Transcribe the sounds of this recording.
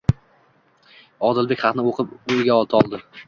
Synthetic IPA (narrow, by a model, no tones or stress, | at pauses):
ɒd̪ɪlbekʲχɑqnɪoqʰɨpojɡʲaɒlˠt̪ʰɒlˠd̪ɪ